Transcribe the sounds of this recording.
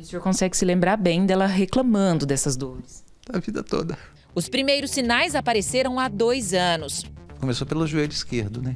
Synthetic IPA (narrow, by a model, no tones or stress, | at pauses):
usĩoɾkõsɛɡɪsɪlẽmbɾaɾbẽj̃d̪ɛlɐɦeklɐmɐ̃nd̪ʊd̪ɛsɐzd̪oɾɪs | ɐvid̪ɐt̪o̰d̪ɐ | ʊspɾimejɾʊsːinajzapaɾeseɾɐ̃w̃ad̪ojzɐ̃nʊskomesopelʊʒuejlʊiskeɾd̪ʊnɛ